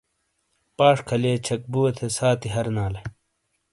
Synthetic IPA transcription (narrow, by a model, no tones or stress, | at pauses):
paːʂkʰɐleːt͡ɕʰɐk̚buːɐt̪ʰesaːt̪iɦɐɾnaːlɐ